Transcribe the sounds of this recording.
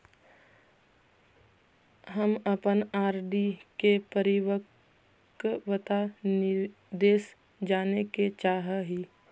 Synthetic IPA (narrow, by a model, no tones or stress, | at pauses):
ɦəməpənaːɾɖikepəɾɪwək | ʋət̪an | d̪eːs | d͡ʒaːneket͡ʃaːɦəɦiː